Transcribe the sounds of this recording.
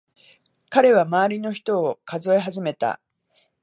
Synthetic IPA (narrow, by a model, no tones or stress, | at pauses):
kaɾe̞β̞amaːɾʲino̞çi̥t̪o̞ːkazo̞e̞ɦaʑime̞t̪a̰